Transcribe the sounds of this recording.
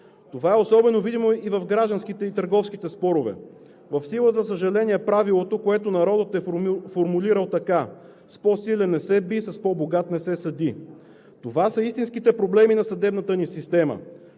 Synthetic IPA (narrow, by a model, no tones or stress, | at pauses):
t̪ovaɛosɔbɛnovid̪imoivɐfɡɾaʒd̪nskit̪ɛit̪əɾɡɔfsk̟it̪ɛspɔɾovɛ̰ | vɐfsilˠəzɐsəʒɐlɛniɛpɾavilˠot̪okoɛt̪onɐɾɔd̪ət̪ɛfoɾmuliɾəlˠt̪ɐka | spɔsilʲɛnːɛsɛbisɐspɔboɡat̪nɛsɛsɐd̪i | t̪ovasəist̪insk̟it̪ɛpɾoblɛminɐsɐd̪ɛbnət̪ənisist̪ɛmə̰